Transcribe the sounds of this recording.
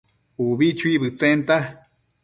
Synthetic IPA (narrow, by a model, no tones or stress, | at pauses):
uβit͡ʃʰuiβɨt͡sent̪a